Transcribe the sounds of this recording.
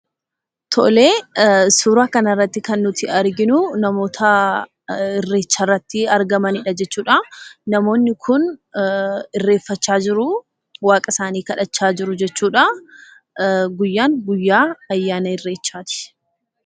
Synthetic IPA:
t̪ʰɔ̰le̞ːsuːɾaːkɐnɐrːɐt̪ːɪkɐnːʊt̪ɪɐɾɡɪnʊnɐmo̞ːt̪ʰɐ | ɪrːe̞ːt͡ʃːaːrːɐt̪ːɪɐɾɡɐmɐnɪᶑɐd͡ʒɛt͡ʃːuːᶑanɐmo̞ːnːɪkʰʊn | ɪrːe̞ːfːɐt͡ʃːaːd͡ʒɪɾʊ | waːkʼɐsaːniːkɐᶑɐt͡ʃːaːd͡ʒɪɾʊd͡ʒɛt͡ʃːuːᶑɐ | ɡʊjːaːŋɡʊjːaːɐjːaːnɐɪrːeːt͡ʃːaːt̪ɪ̥

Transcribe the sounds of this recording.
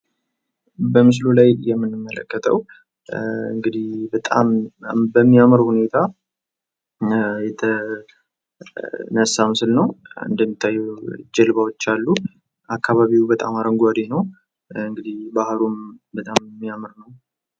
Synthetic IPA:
bəmɨs̬lulajjɛmːɨnːɨmːələ̰kːət̪ʰəw | ɨ̰ŋɡɨd̪ihbət̪ʼa̰mbəmːiamɨɾhune̞t̪ʰa | jɛt̪ʰə | nəsːamɨsɨlnəwɨ̰nd̪əmːit̪ʰːajːɛd͡ʒɛlβawot͡ʃːalːu | ʔakʰːaβaβiwbət̪ʼa̰maɾəŋɡuad̪enəw | ɨŋɡɨd̪ihbahɾumbət̪ʼamːijamɨɾnəw

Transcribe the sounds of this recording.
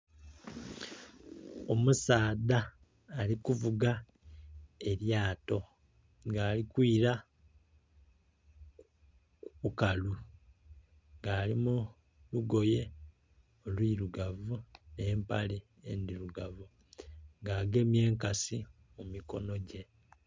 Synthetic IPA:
o̞musaːdaː | likuvuɡa | e̞ɾjaːto̞ | ŋɡaːlikwiːɾa | kuukalu | ŋɡaːlimu | luɡo̞je̞ | olwiːɾuɡavune̞ːmpa̰li | end̪iɾuɡavu | ŋɡaːɡe̞mje̞ːŋkasi | mumiko̞̰no̞ɟe̞

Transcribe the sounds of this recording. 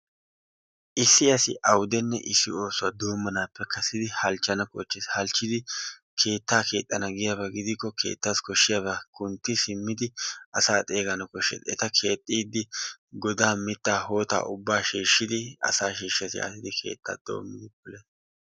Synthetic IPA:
ʔɪsːɪɐsɪ̰ʔɐwd̪ɛnːɛ̰ʔɪsːɪo̞ːsʊaːd̪o̞ːmːɐnaːpːɛkʰɐsɪd̪ɪhɐlt͡ʃːɐnɐkʼɔ̰t͡ʃːɪshɐlt͡ʃːɪd̪ɪ | kʰe̞ːt̪ːaːkʰe̞ːt̪ʼːɐnɐɡɪjaːbɐɡɪd̪ɪkːɔkʰe̞̰ːt̪ːaːskɔʃːɪjaːβɐkʊnt̪ːɪsɪmːɪd̪ɪʔɐsaːt̪ʼe̞ːɡɐnɐkɔʃːɛ̰d̪ɛt̪ɐkʰe̞ːt̪ʼːiːd̪ːɪɡɔd̪aːmɪt̪ːaːho̞ːt̪a̰ːʔʊbːaːʃiːʃːɪd̪ɪɐ̰saːʃiːʃɪɐsɪ̰a̰ːsɪd̪ɪkʰe̞̰ːt̪ʼːa̰ːd̪̥o̞̰ːmːɪd̪ɪbʊleːs

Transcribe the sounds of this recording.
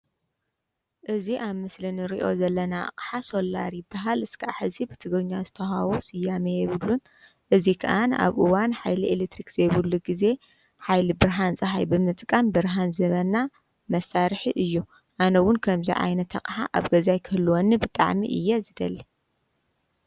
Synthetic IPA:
ʔɨziʔaβmɨslinɨɾḭʔo̞̰zɐlːɐna̰qʼħasolːa̰ɾibaɦalɨskʰaħɨzibɨt̪ʰɨɡɾɨɲːazɨt̪ʰɐɦaβosɨjːamejɛβɨlːun | ʔɨzikʰɐ̰ʔana̰βʔɨwanħajlielet̪ʰɾikz̥ɐjβɨlːuɡize̞ | ħajlibɨɾɦant͡sʼɨɦajbɨmɨt̪ʼkʼɐmbɨɾɦanzɐβɐnːa | mɐsaɾħiʔɨjːu | ʔanɐwʊnkʰɐmzḭʕa̰jnɐt̪ʰːɐ̰qʼħa̰ʔa̰βɡɐzajkʰɨhɨlːuwɔnːibɨt̪ʼa̰ʕmḭʔɨ̰jːɛzɨd̪ɐlːi

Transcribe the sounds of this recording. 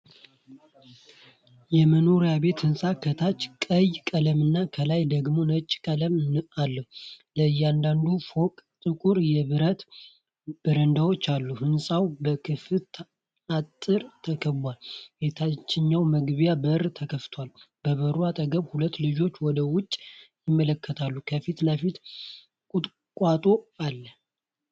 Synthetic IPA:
jɛməno̞ɾijabe̞t̪hɨnsʼakʰət̪ʰat͡ʃːkʼəjkʼələmɨnːakʰəlajd̪əɡmo̞nət͡ʃʼːkʼələmalːəhləɨjːɛand̪and̪ufo̞kʼt̪ʼɨkʼuɾjɛβɨɾət̪ | b̥ɨɾənd̪awo̞t͡ʃːalːuhɨnsʼawbəkʰɨfɨ | at̪ʼːɨɾt̪ʰəkʰəbwalbet̪ʰat͡ʃːɪɲːawməɡβjabərt̪ʰəkʰəft̪ʰwal | b̥əβəɾwat̪ʼəɡəβhulət̪ːlɨd͡ʒo̞t͡ʃːwɔd̪əwʊt͡ʃʼːjɪmːələkʰːət̪ʰalːukʰəfit̪ləfit̪ | kʼut̪ʼ | kʼat̪ʼo̞alːə

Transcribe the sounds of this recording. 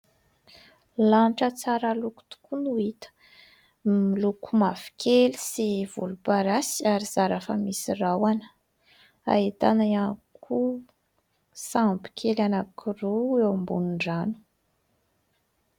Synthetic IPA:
lanʈ͡ʂət͡saɾaluku̥t̪u̥kunuit̪ə̥ | milukʰumavi̥kʰelisivṵlupaɾasiaɾiz̥aɾafəmisirawanə̥ | a̰et̪anaankʰu | sampi̥kʰelanakʰuɾuewmbunuɳɖ͡ʐanu̥

